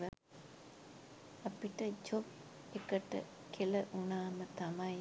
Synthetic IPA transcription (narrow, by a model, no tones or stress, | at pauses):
ə | ɐpiʈəd͡ʒop̚ | ekəʈə̰ | kʰeləʔunaːmət̪amaj